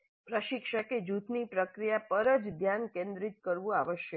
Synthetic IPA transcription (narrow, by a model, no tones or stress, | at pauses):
pɾəʃikʃəked͡ʒut̪nipɾəkɾijapəɾəd͡ʒd̪ʱjankẽnd̪ɾit̪̚kəɾʋũaʋəʃjə